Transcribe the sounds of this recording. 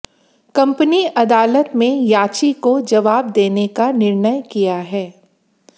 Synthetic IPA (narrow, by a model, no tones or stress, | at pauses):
kɐ̃mpəniʔɐd̪aːlət̪mẽjaːt͡ʃikod͡ʒɐʋaːb̚d̪eːnekanɪɾnəjkijaɦɛː